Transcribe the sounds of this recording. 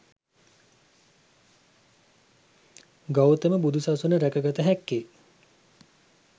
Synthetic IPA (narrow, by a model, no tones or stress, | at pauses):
ɡawt̪əməbud̪ʱusasunəɾækəɡat̪əɦɛkːe